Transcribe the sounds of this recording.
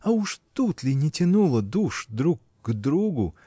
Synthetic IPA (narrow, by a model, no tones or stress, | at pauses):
auʂt̪ut̪lʲɪnʲɪtʲɪnulˠəd̪uʂd̪ɾuk | ɡd̪ɾuɡʊ̰